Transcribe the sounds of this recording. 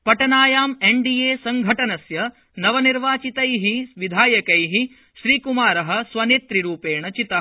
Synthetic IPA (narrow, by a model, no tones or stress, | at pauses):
pɐʈɐnaːjaːmeɳɖijeːsɐŋɡʱɐʈɐnɐsjɐ | nɐʋɐniɾʋaːt͡ʃit̪ɐjɦiʋid̪ʱaːjɐkɐjɦi | ʃɾiːkumaːɾɐɦɐ̆sʋɐneːt̪ɾiɾuːpeːɳɐt͡ʃit̪ɐ